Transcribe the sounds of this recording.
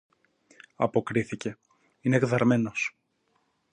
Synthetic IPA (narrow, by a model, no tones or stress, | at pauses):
ɐ̰po̞kɾiθice̞ | ineɣðɐɾme̞no̞s